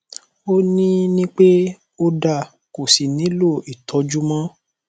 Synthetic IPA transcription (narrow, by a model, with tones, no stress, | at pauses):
o˦nĩ˦nĩ˦k͡pe˦ | o˦da˦˨ | ko˨si˨nĩ˨˦lo˦˨i˨tʰɔ˨˦d͡ʒu˦mã˦